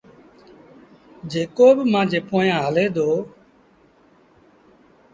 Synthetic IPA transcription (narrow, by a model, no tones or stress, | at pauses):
d͡ʒeːkoːbmãːd͡ʒeːpoːjãːɦəleːd̪oː